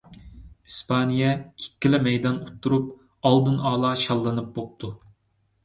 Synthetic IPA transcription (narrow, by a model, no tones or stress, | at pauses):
ispʰɑnijɛkʲʰi̥kʲːɪlɛmɛjd̪ɑnut̪ʰːuɾup̚ | ɑlˠd̪ɨnɑːlˠɑʃɑlˠːɨnɨp̚bop̚t̪ʰu